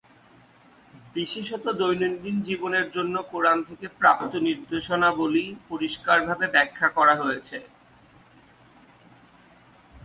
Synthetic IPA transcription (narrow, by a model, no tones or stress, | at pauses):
biʃeʃɔt̪od̪ojnond̪ind͡ʑiboneɾd͡ʑonːokoɾant̪ʰekepɾap̚t̪oniɾd̪eʃonabolipoɾiʃkaɾbʱabebɛkʰːakɔɾaɦojet͡ɕʰe